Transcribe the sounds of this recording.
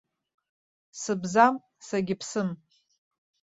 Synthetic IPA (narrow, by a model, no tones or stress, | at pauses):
sɨbzam | saɡʲɪpʰsɨm